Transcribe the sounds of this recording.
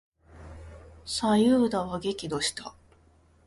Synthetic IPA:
sajɯːd̪aβaɡe̞kʲid̪o̞ɕi̥t̪a

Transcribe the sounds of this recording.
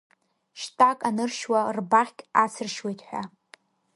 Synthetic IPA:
ʃtʼakʼanɨrʃwarbaχʲkʲʼat͡sʰɨrʃwejtʼħʷᶣa̰

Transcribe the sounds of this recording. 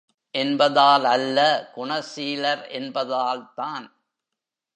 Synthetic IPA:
ʔɛnbɐðaːlɐlːɐkʊɳɐsiːlɐɾɛnbɐðaːlt̪aːn

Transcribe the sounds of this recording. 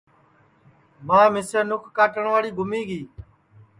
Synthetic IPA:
mãːmɪsəɾnʊkʰkaːʈəɳʋaːɽiːɡʱʊmiːɡiː

